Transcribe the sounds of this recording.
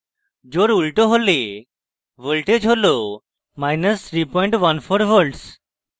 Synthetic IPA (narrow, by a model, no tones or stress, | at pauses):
d͡ʑoɾulʈəɦole | ʋəlʈed͡ʑɦolo | majnəst̪ʰɾipɔiɳʈʋanfoɾʋəlʈs